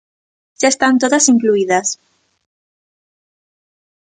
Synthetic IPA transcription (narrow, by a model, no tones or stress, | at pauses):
ʃaest̪ant̪oðasiŋkluiðas